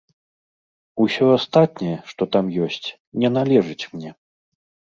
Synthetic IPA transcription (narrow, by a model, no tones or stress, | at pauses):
usʲɔast̪at̪̚nʲɛjɛʂt̪ɔt̪amjɔsʲt͡sʲ | nʲɛnalʲɛʐɨt͡sʲmnʲɛ